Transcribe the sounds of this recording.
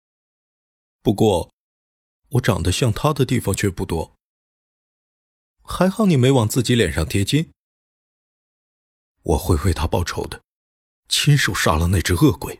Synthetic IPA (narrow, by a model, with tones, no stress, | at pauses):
pu˧˥kwɔ˥˩ | wɔ˧˥ʈ͡ʂɑ̰˨˩ŋd̪ə˦ɕjɑ˥˩ŋt̪ʰa˥d̪ə˨t̪i˥˩fɑ˥ŋt͡ɕʰɥɛ˥˧pu˥˩t̪wɔ˥ | xa˧˥ɪxɑ˥˩ʊni˨˩me˧˥ɪwɑ˨˩ŋt͡sɹ̩˥˩t͡ɕi˧˥ljɛ˨˩nʂɑ˥˩ŋt̪ʰjɛ˥t͡ɕi˥n | wʔɔ˨˩xwe˥˧ɪwe˥˩ɪt̪ʰa˥pɑ˥˩ʊʈ͡ʂʰo˧˥ʊd̪ə˧ | t͡ɕʰi˥nʂo˨˩ʊʂa̰˥˩lə˨ne˥˩ɪʈ͡ʂ̩˥˧ɤ˥˩kwe˨˩˦ɪ